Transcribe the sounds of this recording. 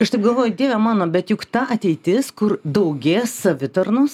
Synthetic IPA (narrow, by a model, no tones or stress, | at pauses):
ɐʃt̪ɐɪɡɐlˠʋoːjʊd̪ʲiːʋʲɛmɑːnoːbʲɛt̪jʊkt̪ɑʔɐt̪ʲɛɪt̪ʲɪskʊɾd̪ɐʊɡʲeːssɐʋʲɪt̪ɐrnʊs